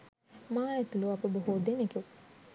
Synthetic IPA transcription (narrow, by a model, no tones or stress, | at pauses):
maːɛt̪uluapəboɦud̪eneke